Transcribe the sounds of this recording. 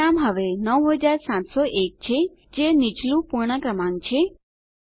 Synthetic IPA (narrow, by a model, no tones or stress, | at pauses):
amɦəʋenəwɦəd͡ʒaɾsãt̪sɔʔek̚t͡ʃʰe | d͡ʒenɪt͡ʃlũpuɾɳ̃əkɾəmãŋɡt͡ʃʰe